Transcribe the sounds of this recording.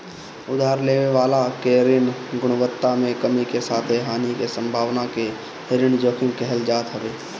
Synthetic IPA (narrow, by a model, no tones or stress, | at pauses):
ʊd̪ʱaːɾleːʋeʋaːlakeɾɪnɡʊɽ̃ʊʋət̪ːamẽkəmikesaːt̪ʰeɦaːnikesə̃mbʱaːʋnake | ɾɪɳd͡ʒoːkʰɪ̃ŋkɛɦɛld͡ʒaːt̪ɦəʋeː